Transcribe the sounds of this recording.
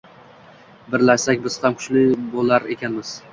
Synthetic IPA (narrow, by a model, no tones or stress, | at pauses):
bɪɾlaʃsakʲbɪz̥hamkʰʊ̥ʃlɪbolˠaɾe̞kʲʰanmɪz̥